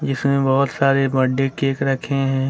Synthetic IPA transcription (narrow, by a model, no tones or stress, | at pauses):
d͡ʒɪsmẽbɔɦʊt̪saːɾebɐɖːekeːkɾɐkʰeɦɛ̃ː